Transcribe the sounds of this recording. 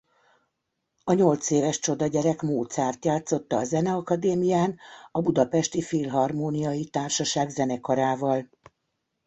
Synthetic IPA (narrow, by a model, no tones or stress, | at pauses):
ɒɲo̞lt̪seːvɛʃt͡ʃo̞d̪ɒɟɛɾɛkmoːt̪saːrt̪jaːt̪so̞t̪ːɒːzɛnɛɒkɒd̪eːmijaːnɒbud̪ɒpɛʃt̪ifilɦɒrmoːnijɒjit̪aːrʃɒʃaːɡzɛnɛkɒɾaːvɒl